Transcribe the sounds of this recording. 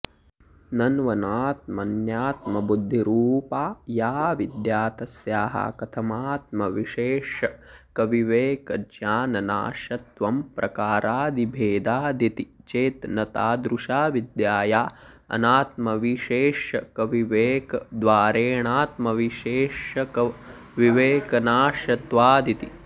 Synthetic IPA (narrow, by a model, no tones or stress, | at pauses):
nɐnʋɐnaːt̪̚mɐnjaːt̪mɐbud̪ʱːiɾuːpaːjaːʋid̪jaːt̪ɐsjaːɦa̰kɐt̪ʰɐmaːt̪mɐʋiʃeːʂɐkɐʋiʋeːkɐd͡ʒjaːnɐna̰ːʃɐt̪ʋɐmpɾɐkaːɾaːd̪ibʱeːd̪aːd̪it̪it͡ʃeːt̪nɐt̪aːd̪ɾuʃaːʋid̪jaːjaː | ɐ̰naːt̪mɐʋiʃeːʃɐkɐʋiʋeːkɐd̪ʋaːɾeːɳaːt̪mɐʋiʃeːʃɐkɐʋiʋeːkɐnaːʃɐt̪ʋaːd̪it̪i